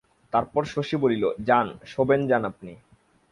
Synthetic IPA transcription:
t̪aɾpɔɾʃoʃibolilod͡ʑanʃobend͡ʑanapni

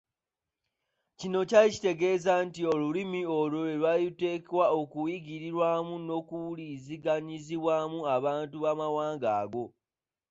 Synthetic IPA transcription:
cino̞caici̥te̞ɡe̞zantio̞lulimio̞lolelwajute̞ːkewaokuwiɡiɾiɾwaːmuno̞kuliziɡaɲiziβwaːmuaβaːntuβamawaːŋɡaːɡo̞

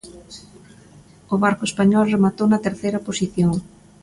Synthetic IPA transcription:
ʊβaɾkʊespaɲɔlremat̪ownɐt̪eɾθejɾɐposiθjoŋ

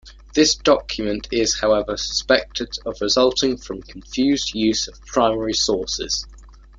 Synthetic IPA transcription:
ðɪsd̥ɒkʰjəmə̃ntʰɪz̥haʊɛvəsə̥spɛk̚tʰɪdəvɹɪzʌlˠtʰɪ̃ŋfɹə̃mkʰə̃ɱfjʉːzdjʉːz̥əv̥pʰɹ̥aɪmɛɹisɔˑsɪ̰z̥

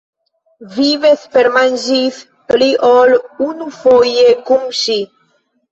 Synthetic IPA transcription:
viveθpeɾmanʒiθ | pliʔolunufojekumʃi

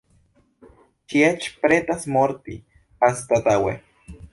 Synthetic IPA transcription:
t͡ʃiet͡ʃpɾet̪asmoɾt̪ḭ | ast̪at̪awḛ

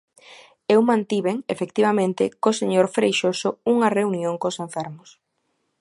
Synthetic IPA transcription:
ewmãnt̪iβeŋefekt̪iβamẽnt̪ɪkoseɲoɾfɾejʃosʊuŋɐreunjoŋkoseɱfɛɾmʊs

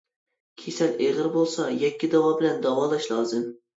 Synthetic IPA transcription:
kʲʰesɛleʁəɾbolˠsɑjɛkʲːid̪ɑwɑːbɪlɛnd̪ɑwɑːlˠɑʃlˠɑːzɨm

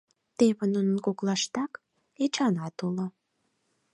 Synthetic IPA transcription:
t̪eβə̆nunənkoklɑʃt̪ɑk | et͡ʃɑnɑt̪ulo

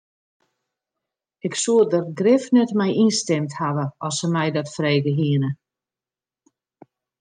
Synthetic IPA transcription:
ɪksuədərɡrɪfnɛtmɛjʔinstɛmthaʋəɔsəmɛjdɔtfreːɡəɦiənə

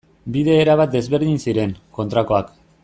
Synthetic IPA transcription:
biðe̞ːɾaβ̞at̪̚d̪e̞zβe̞ɾðinsiɾe̞ŋko̞nt̪ɾako̞ak

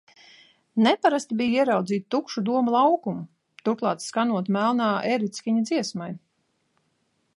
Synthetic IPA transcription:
nɛpaɾast̪ibijiɛɾawd̪ziːt̪̚t̪ukʃud̪uɔmulˠawkumu | t̪uɾklˠɑːt̪skanuɔt̪mælˠnaːeɾit̪skʲiɲad̪ziɛsmaj

